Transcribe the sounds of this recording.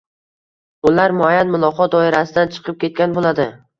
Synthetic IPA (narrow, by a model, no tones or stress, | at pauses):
ʊlaɾmʊajanmʊlˠɒqɒt̪̚d̪ɒɪɾasɪd̪ant͡ʃʰɨ̥qʰɨp̚kʲe̞t̪̚kʲanbolad̪ɪ